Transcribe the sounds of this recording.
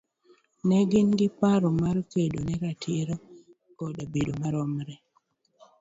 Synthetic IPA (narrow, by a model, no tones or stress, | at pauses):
nɛɡɪnɡɪpaɾɔmaɾkedonɛɾatʰiɾo | kɔdabedomaɾɔmɾɛ